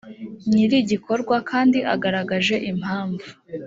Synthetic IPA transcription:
ɲiɾiɟikʰo̞ɾɡwakʰaːndiʔaɡaɾaɡaʒe̞ʔim̥haːɱvu

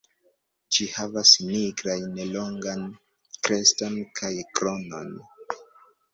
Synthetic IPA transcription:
d͡ʒihavasniɡɾajneloŋɡan | kɾe̞stonkʰajkɾo̞no̞n

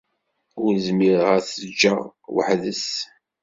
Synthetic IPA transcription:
ʊɾzmiɾəʁæθəd͡ʒːawə̰ħðəs

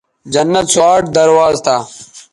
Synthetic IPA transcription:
d͡ʑɐnːɐt̪swaːʈ̚d̪ɐɾwaːzt̪ʰaː

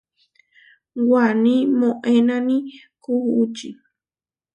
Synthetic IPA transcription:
wanĩmõʔenãnĩ | kuhuut͡ʃḭ

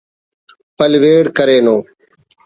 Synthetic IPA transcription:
pəlʋeːɽkəɾeːnõː

